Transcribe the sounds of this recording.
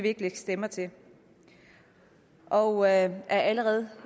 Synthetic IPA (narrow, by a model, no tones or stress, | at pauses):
ʋe̝ɡ̥əleɡ̥sd̥emɐt͡sʰe̝ | ʔɒʊøʔæɐʔæləʁɛːð̞̩ˠ